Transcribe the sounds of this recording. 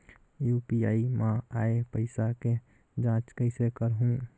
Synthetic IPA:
juːpiaːimãaːepəɪsake | d͡ʒãːt͡ʃkəɪsekəɾɦũ

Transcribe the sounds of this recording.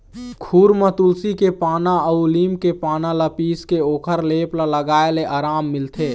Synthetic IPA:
kʰuːɾmət̪ʊlsikepaːnaəuliːmkepaːnaləpiːskeoːkʰəɾleːplaləɡaːeleʔaːɾaːmːɪlt̪ʰeː

